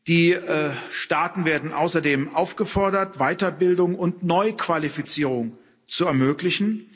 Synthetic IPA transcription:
d̥iːʃtaːtn̩veːɐdn̩ʔa̰ʊsɐdeːmʔaʊfɡ̥əfɔɐdɐtv̥aɪtɐbɪldʊŋʊntnɔʏkv̥alifit͡siːʁʊŋ | t͡suɛɐmøːklɪçn̩

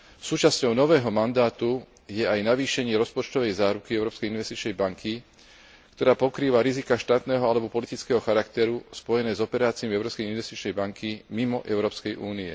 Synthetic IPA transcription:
suːt͡ʃascɔʊnɔʋɛːɦɔmand̪aːt̪u | jɛajnaʋiːʃɛɲɪɛɾɔspɔt͡ʃt̪ɔʋɛjzaːɾukiɛʊɾɔːpskɛjinʋɛst̪it͡ʃnɛjbaŋkʰi | kt̪ɔɾaːpɔkɾiːʋaɾizikaʃt̪aːt̪nɛːɦɔalɛbɔpɔlit̪it͡skɛːɦɔxaɾakt̪ɛɾuspɔjɛnɛːzɔpɛɾaːt͡siɔmɛʊɾɔːskɛjinʋɛst̪it͡ʃnɛjbaŋkʰimimɔʔɛʊɾɔːpskɛjʔuːniɛ̰

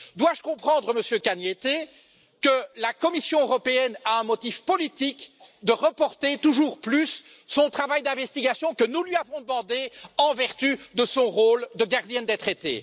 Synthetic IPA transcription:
d̪waʒəkɔ̃pχɑ̃d̪ʁəməsjøkanjet̪e | kəlakɔmisjɔ̃øʁɔpeɛnaɛ̃mɔt̪ifpɔlit̪ikd̪əʁəpɔʁt̪et̪uʒuːʁplysː | ɔ̃t̪χavajd̪ɛ̃vɛst̪iɡasjɔ̃kənulɥiavɔ̃d̪əmɑ̃d̪eɑ̃vɛʁt̪yd̪əsɔ̃ʁold̪əɡaʁd̪jɛnd̪et̪χet̪ḛ

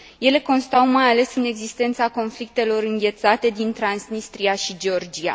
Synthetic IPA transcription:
je̞le̞ko̞nst̪awmajale̞sɨne̞ɡzist̪e̞nt̪sako̞nflik̚t̪e̞lo̞ɾɨŋɡʲe̞t̪sat̪e̞d̪int̪ɾansnist̪ɾiaʃid͡ʒeo̞rd͡ʒia̰

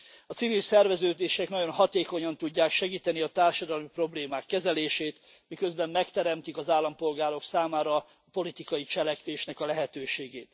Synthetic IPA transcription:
ɒt̪sivilsɛrvɛzøːd̪eːʃɛknɒɟo̞nɦɒt̪eːko̞ɲɒnt̪uɟːaːkʃɛɡiːt̪ɛniɒt̪aːrʃɒd̪ɒlmipro̞bleːmaːkːɛzɛleːʃeːt̪ | mikø̞zbɛmːɛkt̪ɛɾɛmt̪ikɒzaːlːɒmpo̞lɡaːɾo̞ksaːmaːɾɒː | po̞lit̪ikɒjit͡ʃɛlɛkʋeːʃn̪ɛkɒlɛɦɛt̪øːʃeːɡeːt̪

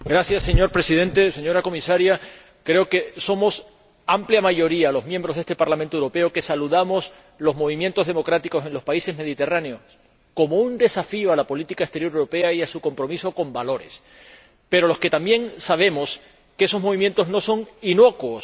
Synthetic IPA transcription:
ɡɾasjasːe̞ɲo̞ɾpɾe̞sið̞ẽ̞nt̪e̞se̞ɲo̞ɾako̞misaɾja | kɾe̞oke̞so̞mo̞s | ampljamaʝo̞ɾialo̞zmjembɾoɦðest̪epaɾlamẽnt̪oewɾo̞pe̞oke̞saluðamo̞s | lo̞zmo̞βimjent̪oð̞e̞mo̞kɾat̪iko̞se̞nlo̞spaise̞zme̞ðit̪e̞raneo̞ | ko̞mo̞und̪e̞safio̞alapolit̪ikaest̪eɾjo̞ɾewɾo̞pe̞aiasuko̞mpɾo̞miso̞ko̞mbalo̞ɾe̞̰s | pe̞ɾo̞lo̞ske̞t̪ambje̞ŋsaβ̞e̞mo̞s | keeso̞zmo̞β̞imjent̪o̞zno̞so̞ŋino̞kwos

